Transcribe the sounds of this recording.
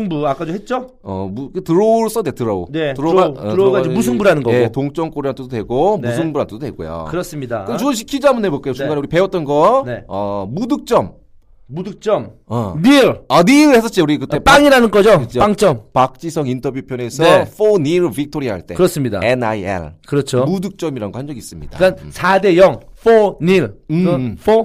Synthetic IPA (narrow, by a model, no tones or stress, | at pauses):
ɯŋbuak͈adohet̚t͡ɕ͈o | ʌ̰mukɯtɯɾʌɭs͈ʌdetɯɾʌo̰neɯɾoaɯɾɡaimus̬ʰɯŋbuɾanɯnɡʌjetoŋt͡ɕ͈ʌŋk͈oɾiɾant̪ʰedodwe̞ɡomusʰɯŋbuɾantʰd̥otweɡo̰jo̰kɯɾʌs͈ɯmɲidaɯunɕ̬ʰi̥kʰid͡ʑamunɦeboɭk͈ajot͡ɕŋɡaneuɾipe̞ʌt͈̚ʌnɡʌneʌmudɯk̚t͡ɕ͈ʌmː | udɯk̚t͡ɕ͈ʌmaniɭaniɯɭhes̬͈ʰʌt͡ɕ͈iuɾikɯt͈ep͈aŋiɾanɯnɡʌd͡ʑoɯt͡ɕop͈aŋt͡ɕ͈ʌmpak̚t͡ɕ͈isʰʌŋintʰʌbjupʰjʌne̞sʰʌfoniɾbik̚tʰoɾiɦa̰ɭt͈e̞̰kɯɾʌs͈ɯmɲida̰enaiḛɭkɯɾʌt͡ɕʰomudɯk̚t͡ɕ͈ʌmiɾanŋɡohand͡ʑʌɡis͈ɯmɲḭddakk͈ansʰade̞jʌŋfʰoɲiɾɯɸʰo